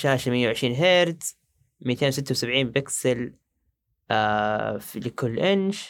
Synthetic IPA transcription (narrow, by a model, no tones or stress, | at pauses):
ʃaːʃamɪjːawʕɪʃɾiːnɦeːɾd̪ | mijːat̪eːnws̬ɪt̪ːawsabʕiːnbɪksɪl | aflɪkʊlːʔɪnʃ